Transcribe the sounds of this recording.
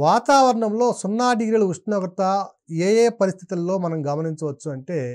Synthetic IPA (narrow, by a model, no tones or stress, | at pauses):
ʋaːt̪aːʋɐɾɐɳɐmlo̞ːsunːaːɖiːɾɐlɐuʂʈnɔːɡɾɐt̪ɐ | eːjeːpɐɾist̪ʰi̥t̪ɐlːo̞ːmɐnɐmɡɐmɐniɲt͡ʃɐʋɐt͡ʃːuɐɳʈe̞ː